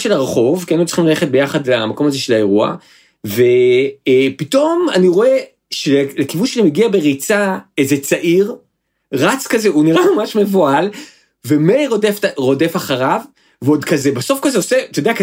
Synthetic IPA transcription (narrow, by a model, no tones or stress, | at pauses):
ʃelaʁeχo̞vkianutt͡si̥χimlale̞χet̚be̞jaχadlamako̞mazeʃe̞lae̞ʁua̰ | ve̞ | pito̞ma̰niʁo̞e̞ | ʃelelekivunʃanimeɡiabe̞ʁit͡saezet͡saʔiʁ | ʁat͡skazeuniʁamamaʃmevoal | vemejʁodeftʁo̞de̞faχaʁav | veodkazebaso̞fkazeoset̪odeak